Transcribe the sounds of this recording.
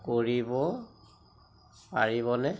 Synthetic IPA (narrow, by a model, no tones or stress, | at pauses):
koɹibɔ | paɹiβɔnɛ